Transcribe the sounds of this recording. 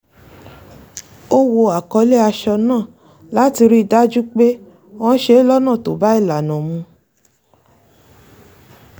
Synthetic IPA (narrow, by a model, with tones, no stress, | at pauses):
o˦wo˧a˨kɔ˧˦le˦a˧ʃɔ˧nãː˦˨ | la˨˦ti˧ɾi˦˧˨da˦d͡ʒu˦k͡pe˦ | ɔ̃˦ʃe˦lɔ˦nã˦˨to˨ba˨˦i˦˨la˨nã˨mũ˧